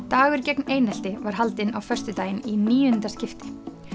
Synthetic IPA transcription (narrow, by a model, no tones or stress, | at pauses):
t̪aːɣʏɾcɛkneːjnal̥t̪ɪvaɾ̥ɦalt̪ɪnawfœr̥st̪ʏt̪aːjɪniniːʏnt̪ascɪft̪ɪ̥